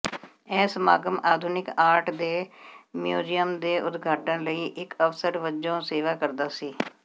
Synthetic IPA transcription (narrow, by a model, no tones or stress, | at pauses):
ɛ̃ːsəmaːɡəmaːd̪ʱʊnɪkaːɾʈd̪eːmjuːd͡ʒijəmd̪eːʔʊd̪ɡʱaːʈənləiːʔɪkəfsəɾʋəd͡ʒõːseːʋaːkəɾd̪aːsiː